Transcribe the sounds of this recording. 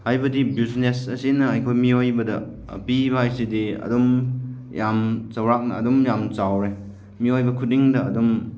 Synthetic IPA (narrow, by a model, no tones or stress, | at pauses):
hajbɐdibiznesɐsinɐːjkʰojmiojbɐdɐ̰ | piβajsidiɐ̰dɔm | jamt͡ʃɐwɾak̚nɐ̰ɐdɔmjamt͡ʃawɾe | miojbɐkʰut̚iŋdɐɐdɔm